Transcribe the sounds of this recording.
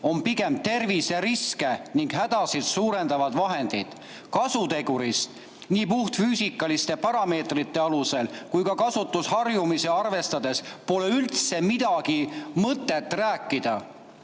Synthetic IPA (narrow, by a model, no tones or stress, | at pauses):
o̞mpiɡe̞mt̪e̞rviseɾiske̞niŋɡ̥ɦæd̪̥ɑsid̪̥suːɾe̞nd̪ɑvɑd̪vɑɦe̞nd̪̥id̪̥ | kɑsut̪e̞ɡ̥uɾist̪ | niːpuht̪fyːsikːˑɑlist̪e̞pɑɾɑme̞ːt̪rit̪ːe̞ɑluse̞lkujkɑkɑsut̪ːˑushɑrjumise̞ɑrve̞st̪ɑd̪̥e̞spo̞le̞ylt̪se̞mid̪̥ɑɡimɤt̪ːˑe̞t̪ːˑræːkːˑid̪̥ɑ